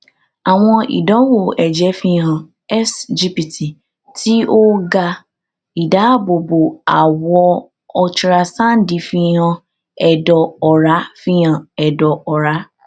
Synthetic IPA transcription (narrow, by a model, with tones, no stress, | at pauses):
a˨w̃ɔ̃˧ḭ˨dɔ̃˨˦wo˨ɛ˨d͡ʒɛ˨˦fĩ˧˦ɦã˧ | ɛ˦sd͡ʒi˦pi˨ti˨ | tʰi˦o˦ɡa˧ | i˨da˨˦a˦˨bo˨bo˨a˨wɔ˧ | ɔ˧t͡ʃi˧ɾa˧sã˦˨n̩˦di˨˧˦fĩ˧˦hã˧ | ɛ˨dɔ˨ɔ˨ɾa˨˦fĩ˦jã˨ɛ˨dɔ˨ɔ˨ɾa˨˦